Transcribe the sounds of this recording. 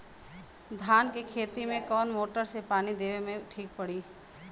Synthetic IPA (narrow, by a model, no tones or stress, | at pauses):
d̪ʱaːnkekʰeːt̪imẽkɔːnmoːʈəɾsepaːnid̪eːʋemẽʈʰiːk̚pɐɽiː